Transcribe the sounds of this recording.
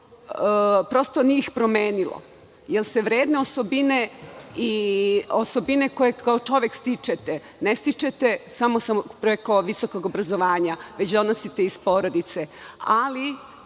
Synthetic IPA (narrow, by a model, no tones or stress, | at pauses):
pɾo̞st̪o̞niixpɾo̞meːnilo̰ | jelse̞ʋɾeːd̪ne̞osobineioso̞bineko̞je̞kao̞t͡ʃo̞ʋekst̪it͡ʃet̪e | nest̪it͡ʃet̪esamosampɾeko̞ʋiso̞ko̞ɡo̞bɾazoʋaːɲaʋe̞t͡ɕd̪o̞nosit̪eispoːɾod̪it̪se̞ali